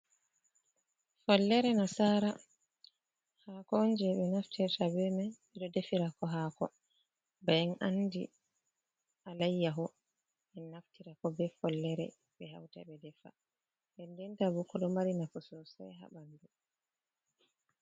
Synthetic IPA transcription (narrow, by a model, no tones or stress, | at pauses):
fɔlːɛɾɛnasaɾa | hakɔnd͡ʒɛɓɛnaftʰɛɾtabɛɾmɛɓɛɗɔdefiɾakɔɦakɔ | bajɛnandḭ | ʔalajːaɦɔ | ʔɛnːaftiɾakɔbɛfɔlːɛɾɛ̰ | ɓɛɦa̰wta̰bɛdɛfa̰ | bɛndɛntabukɔɗɔmaɾinafɔsɔsa̰jɦa̰ɓandu